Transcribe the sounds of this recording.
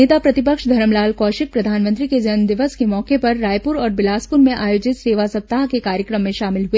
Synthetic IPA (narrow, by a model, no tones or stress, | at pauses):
eːt̪apɾɐt̪ɪpəkʃd̪ʱɐɾəmlaːlkɔːʃɪk̚pɾɐd̪ʱaːnmə̃nt̪ɾiked͡ʒɐnd̪ɪʋəskemɔːkepɐɾːaːjpʊɾɔːɾbɪlaːspʊɾmẽʔaːjoːd͡ʒɪt̪seːʋasɐb̚t̪aːɦkekaːɾjəkɾəmːẽʃaːmɪlɦue